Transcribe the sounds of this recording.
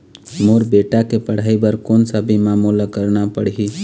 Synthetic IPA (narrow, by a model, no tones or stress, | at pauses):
moːɾbeːʈakepəɽ̤aːibəɾkoːnsəbʱimamulakəɾnapəɽɦi